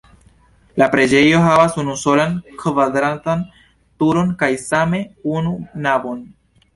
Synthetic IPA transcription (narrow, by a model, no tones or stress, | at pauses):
lapɾe̞d͡ʒe̞jo̞ɦavasunuso̞lankvadɾantan | tuɾo̞nkajsame̞ununavo̞n